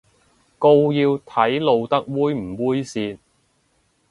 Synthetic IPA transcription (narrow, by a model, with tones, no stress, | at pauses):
ko˧wjiː˧wt̪ʰɐ˨˥jlo˨wt̪ɐ˥k̚wuː˥jm̩˨˩wuː˥jsiː˨˧t̚